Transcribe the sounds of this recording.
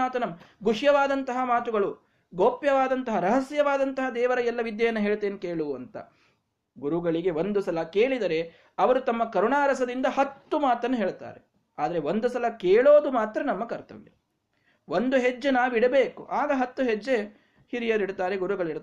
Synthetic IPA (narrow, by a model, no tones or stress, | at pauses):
aːt̪ɐnɐmɡuʂjɐʋaːd̪ɐnt̪ɐɦɐmaːt̪uɡɐɭu | ɡoːpjɐʋaːd̪ɐnt̪ɐɦɐɾɐɦɐsjɐʋaːd̪ɐnt̪ɐɦɐd̪ɛːʋɐɾɐɛlːɐʋid̪jɐjɐnːɐɦeːɭt̪eːnkeːɭuɐnt̪ɐ̰ | ɡuɾuɡɐɭiɡe̞ʋond̪usɐlɐkeːɭid̪ɐɾe̞ | ɐʋɐɾut̪ɐmːɐkɐɾuɳaːɾɐsɐd̪ind̪ɐhɐt̪ːumaːt̪ɐnːɐɦeːɭt̪a̰ːɾe | aːd̪ɐɾeʋo̞nd̪usɐlɐkeːɭo̞ːd̪umaːt̪ɾɐnɐmːɐkɐɾt̪ɐ̰ʋḛ | ʋond̪uɦed͡ʒːenaːʋiɽɐbeːkuʔaːɡɐɦɐt̪ːuɦed͡ʒːe | hiɾijɐɾiɽt̪aːɾeɡuɾuɡɐɭiɽ